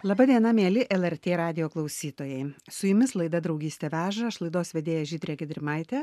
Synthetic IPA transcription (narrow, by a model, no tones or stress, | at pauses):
lˠɑbɐd̪ʲiɛnɐmʲeːlʲɪʔɛlˠɛɾʲt̪ʲeːɾɑːd̪ʲɪjoːklˠɐʊsʲiːt̪oːjɛɪsʊjʊmʲɪslˠɐɪd̪ɐd̪ɾɐʊɡʲiːst̪ʲɛʋʲæːʒɐɪʃlˠɐɪd̪oːsʋʲɛd̪ʲeːjɛʒʲiːd̪ʲɾʲeːɡʲɪd̪ʲɾʲɪmɐɪt̪ʲɛ